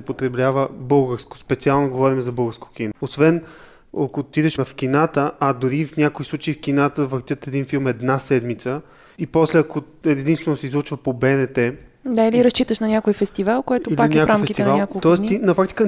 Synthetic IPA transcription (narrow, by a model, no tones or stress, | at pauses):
ɛpot̪ɾɛblʲavəbɤlˠɡəɾsko̥spɛt̪sialˠnoɡovɔɾimɛzɐbɤlˠɡəɾskokinoosvɛn | ɐkot̪id̪ɛʃɐfk̟inat̪əad̪ʊɾifnʲakoislˠut͡ʃəifkinat̪əvəɾt̪ʲjət̪ɛd̪infilˠmɛd̪nasɛd̪mit̪sə | ipɔslɛɐko | ɛd̪inst̪vɛnosɛizlˠut͡ʃvəpobɛnɛt̪ɛd̪ailiɾɐst͡ʃit̪əʃnɐnʲakojfɛst̪ivalˠkɔj̪ʊilipak̪nakfɾaamfɛskit̪ɛnvalˠnakokt̪ɔɛst̪inɐpɾak̚t̪ʲi̥kə